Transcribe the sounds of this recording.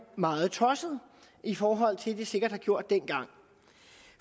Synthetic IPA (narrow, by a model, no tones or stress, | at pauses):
mɑ̈ːð̩ˠt͡sʰɒ̽səð̩ˠ | ifɒːɦɒ̽l̰t͡sʰe̝ld̥ise̝ɡ̥ɐd̥hɑ̈ɡ̥jo̝ɐ̰d̥ːenɡ̥ɑ̈ŋ̰